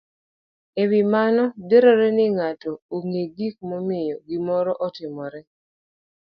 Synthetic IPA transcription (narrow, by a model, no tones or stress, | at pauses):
ewimanɔdeɾoɾɛnɪŋatɔoŋeɡik̚mɔmɪjɔɡɪmɔɾɔʔɔtɪmɔɾɛ